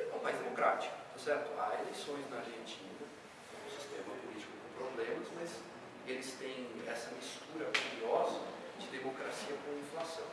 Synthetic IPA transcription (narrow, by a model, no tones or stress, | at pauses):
õmajzd̪emokɾat͡ʃi̥kʊ̥t̪asɛɾt̪ʊaelejsõj̃znɐaɾʒẽnt͡ʃĩnɐ | ɐ̃w̃ʊ̃si̥st̪ẽmɐpulit͡ʃi̥kʊkõpɾoblẽmɐzmɐz | elɪst̪ẽj̃ɛsɐmist̪uɾɐkuɾiɔzɐ | d͡ʒɪd̪emokɾasiɐkõĩflasɐ̃w̃